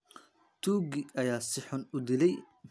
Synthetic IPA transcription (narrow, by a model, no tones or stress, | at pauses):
t̪ʰuːɡɪɐjaːsɪħʊnʊd̪ɪlɛj